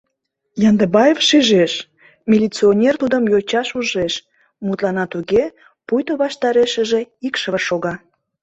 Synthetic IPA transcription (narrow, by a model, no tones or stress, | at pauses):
jɑnd̪ebɑjefʃiʒeʃ | mʲilʲit͡sionʲert̪ud̪əmjot͡ɕɑʃuʒeʃ | mut̪lɑnɑt̪uɣe | pujt̪oβɑʃt̪ɑɾeʃə̆ʒe̽ikʃəβəʃoɣɑ